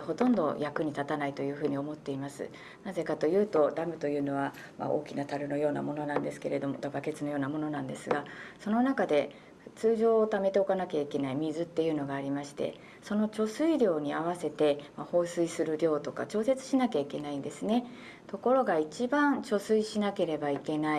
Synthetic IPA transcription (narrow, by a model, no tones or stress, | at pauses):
ho̞t̪õ̞nd̪o̞̰jakɯ̟ɲ̟it̪at̪anait̪o̞jɯ̟ːɸɯ̟ːɲ̟io̞mo̞t̪ːe̞imasɨ̰ | naze̞kat̪o̞jɯ̟ːt̪o̞d̪amɯ̟t̪o̞jɯ̟ːno̞β̞a | ma̰ʔo̞̰ːkʲinat̪aɾɯ̟no̞jo̞ːna̰mo̞no̞nãnd̪e̞sɨ̥ke̞ɾe̞d̪o̞mod̪abake̞t͡sɨno̞jo̞ːnamo̞no̞nãnd̪e̞sɨɡaso̞no̞nakad̪e̞ | ɸɯ̥t͡sɨːʑo̞ːt̪ame̞t̪e̞o̞kanakʲaike̞naimʲizɨt̪ːe̞jɯ̟ːno̞ɡaːɾʲimaɕi̥t̪e̞̰ | so̞no̞t͡ɕo̞sɨiɾʲjo̞ːɲ̟iaβase̞t̪e̞maho̞ːsɨisɨɾɯ̟ɾʲjo̞ːt̪o̞ka̰t͡ɕo̞ːse̞t͡sɨ̥ɕinakʲaike̞naĩnd̪e̞sɨne̞ | t̪o̞ko̞ɾo̞ɡait͡ɕibãnt͡ɕo̞sɨiɕinake̞ɾe̞baike̞nai